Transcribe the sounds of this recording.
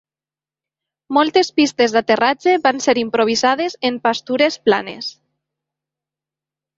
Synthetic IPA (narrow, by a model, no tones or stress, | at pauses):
mɔlˠt̪espist̪ezðat̪erad͡ʒeβanseɾimpɾoβ̞izað̞ezempast̪uɾespla̰nḛs